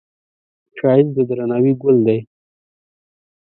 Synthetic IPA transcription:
ʃɑjɪzd̪əd̪ɾanawiɡʊld̪aj

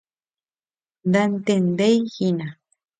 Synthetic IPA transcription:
nd̪ant̪end̪ejxina

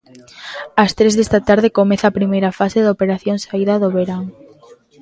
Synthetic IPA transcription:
ɐst̪ɾezðest̪ɐt̪aɾðɪkomeθɐːpɾimejɾɐfaseðopeɾaθjoŋsaiðɐðoβeɾaŋ

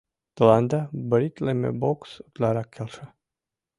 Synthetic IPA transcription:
t̪lˠand̪abɾʲit̪ʲlemʲḛbokst̪lʲaɾakʲʰːelˠʂa

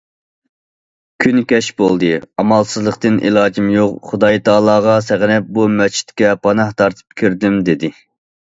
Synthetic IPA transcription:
kʲʰynkʲɛʃbolˠd̪ɨɑmɑlˠsɨzlˠəqt̪ɨnʔḭlˠɑːd͡ʒimjoqχʊd̪ɑjt̪ʰɑːlˠɑːʁɑsæʁnɛp̚bumɛt͡ʃʰi̥t̪kʲɛpʰɑnɑht̪ʰɑɾt̪ʰɨ̥p̚kʲʰyɾd̪ɪmd̪ed̪ɪ

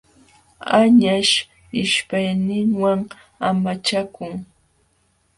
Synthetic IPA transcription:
aɲaʃ | ɪʃpajnɪŋwaŋ | amat͡ʃakʊŋ

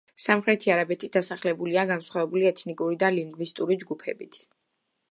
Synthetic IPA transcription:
samχɾɛt̪ʰiaɾabɛt̪ʰid̪̥asaχlɛbuliaɡansχwavɛbuliɛt̪ʰnikʼuɾid̪aliŋɡvist̪ʼuɾid͡ʒɡupʰɛ̰bit̪ʰ

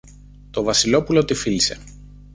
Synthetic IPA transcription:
t̪o̞vɐsilo̞pulo̞t̪ifilise̞̰

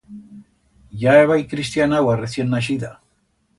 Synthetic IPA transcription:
jajβajkɾɪst̪janawaɾesjenːaʃɪd̪a

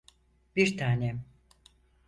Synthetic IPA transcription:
biɾt̪ʰaːnɛ

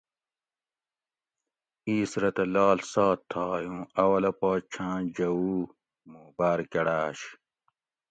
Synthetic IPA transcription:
iːsɾɐt̪ɐlaːlsaːt̪ʰːaːjũːɐwɐlɐpaːt͡ɕʰãːd͡ʑɐwuː | muːbaːɾkeɽaːɕ

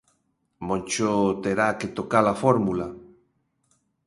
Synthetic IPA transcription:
mõnt͡ʃot̪eɾaket̪okalafɔɾmula

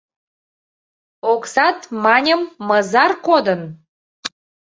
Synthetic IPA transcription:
oksɑt̪mɑnʲəmːəzɑrkod̪ən

